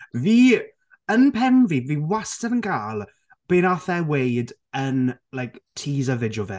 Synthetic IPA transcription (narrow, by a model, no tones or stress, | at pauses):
viː | ənpʰɛmviviːwastənənɡaːlˠ | b̥enaθɛwejd | ənlajktʰiːzəvɪdjɔvɛ̰